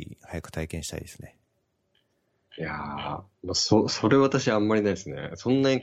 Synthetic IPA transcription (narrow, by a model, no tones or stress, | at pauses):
ḭhajakɯ̟̥t̪aikẽɕi̥t̪a̰ḭd̪esɨ̥ne | ja̰ | mososo̞ɾe̞βat̪aɕiaãmːaɾʲinaiesɨne̞̰sõ̞nːaɲĩ